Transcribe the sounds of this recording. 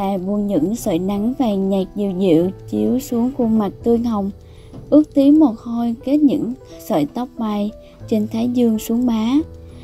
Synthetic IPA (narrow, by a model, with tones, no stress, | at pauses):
a̰ː˧˩ɓu˧ənɲɨ̰˧˥ŋsə̰ː˧˨jna˨˦ŋvaː˨˩ɲɛ˨˩k̚zḭ˧˩wzḭ˧˨əwt͡ɕi˨˦əwsu˨˦əŋku˧˩ma˨˩k̚t̪ɨ˧əŋha˨˩wŋ͡m | ʔɨ˦˥ək̚t̪i˨˦wmo˨˩t̚ho˧jke˦˥t̚ɲɨ̰˧˥ŋsə̰ː˧˨jt̪ə˦˥wk͡p̚maː˧j | t͡ɕe˧nt̪ʰaː˨˦jzɨ˧əŋsu˨˦əŋmaː˨˦